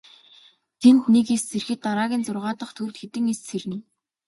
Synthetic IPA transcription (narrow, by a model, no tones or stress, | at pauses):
t̪ʰenxuniːkist͡sʰerxɘ̆t̪ːaɾaːɣʲiːnt͡sʊrʁaːt̪ə̆χt̪ʰurt̪xet̪ɘ̆ŋist͡serniː